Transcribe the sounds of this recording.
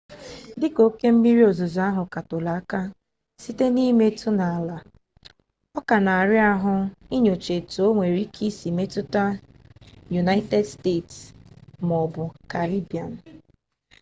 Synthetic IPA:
dɪ˦ko˨˦ke˦m̩˦mi˦ɾi˦o˨zo˨za˦ɦʊ˨ka˨to˨la˨˦ka˦ | si˦te˦ni˦me˦tʊ˦na˨a˨la˨ | ɔ˦ka˨na˨a˨ɾɪ˦a˦ɦʊ˦i˦ɲo˨t͡ʃe˨to˦ŋʷe˨ɾi˦kʰi˦si˨me˦tʊ˦ta˦ | ju˨na˦ɪ˦te˦dste˦˨tsmɔ˨bʊ˨ka˨ɾi˦bi˨a˨n̩˨

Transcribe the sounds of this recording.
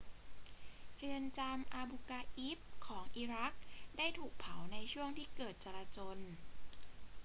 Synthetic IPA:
ɯ˧ənt͡ɕaː˧mʔaː˧bu˧kaː˧ʔi˦˥p̚kʰːɔː˩˦ŋʔiː˧ɾa˦˥k̚daː˥˩jt̪ʰuː˨˩k̚pʰa˩˦wna˧jt͡ɕʰu˥˩əŋt̪ʰiː˥˩kɤː˨˩t̪̚t͡ɕa˧ɾaː˧t͡ɕoː˧n

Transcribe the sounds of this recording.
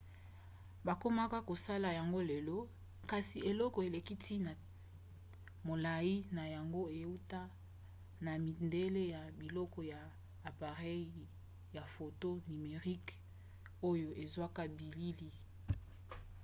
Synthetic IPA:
ba˨ko˦ma˦ka˦ko˨sa˦la˨ja˨ŋɡo˦le˨lɔ˦ | ka˨si˨e˨lɔ˦kɔ˨e˨le˨ki˦tʰi˦na˨ | mo˨la˨ji˦na˨ja˨ŋɡo˦e˨u˦ta˦ | na˨mi˨nde˦le˦ja˨bi˨lɔ˦kɔ˨ja˨ | aː˨pa˨ʁɛ˦i˨˦˨ | ja˨fo˨to˦ni˨me˨ʁi˦k | o˦jo˦ʔe˨zwa˦ka˦bi˨li˦li˦

